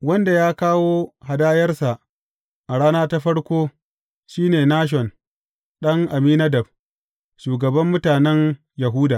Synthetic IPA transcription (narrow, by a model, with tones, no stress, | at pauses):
wɐ˦nda˨jaː˦kaː˦woː˦ha˨daː˦jɐ˦rsa˨ʔ | ʔa˨ɽaː˦naː˦ta˦ɸɐ˦ɽkʷoː˦ | ʃiː˦neː˨naː˦ʃ̬ɔ˨n | ɗɐ˦ŋʔa˨miː˦nɐ˦dɐ˨b̚ | ʃuː˨ɡɐ˨bɐ˦mːʊ˦taː˨nɛ˦ŋ | jɐ˨ɦuː˦daː˨